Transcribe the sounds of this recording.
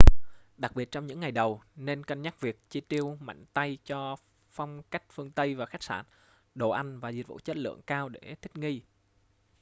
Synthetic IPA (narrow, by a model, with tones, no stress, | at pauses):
ɗa˨˩k̚ɓi˨˩ət̚t͡ɕɔ˧wŋ͡mɲɨ̰˧˥ŋːa˨˩jɗə˨˩wne˧nkə˧nɲa˦˥k̚vi˨˩ək̚t͡ɕi˧t̪i˧əwma̰˧˨jŋ̟t̪a˧jt͡ɕɔ˧ | fa˧wŋ͡mka˦˥jk̟̚fɨ˧əŋt̪ə˧jvaː˨˩xa˦˥k̚saː˧˩n | ɗo˨˩ʔa˧jŋ̟vaː˨˩zi˨˩t̚vṵ˧˥t͡ɕe˦˥t̚lɨ̰˧˨əŋkaː˧wɗe˧˩t̪ʰï˦˥k̟̚ŋi˧